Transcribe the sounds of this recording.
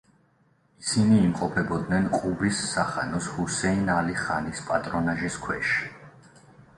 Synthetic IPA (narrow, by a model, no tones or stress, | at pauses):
isiniːmqʼɔpʰɛbɔd̪nɛnqʼubisːaχanɔshusɛinaliχanispʼat̪ʼɾɔnaʒiskʰwɛʃi̥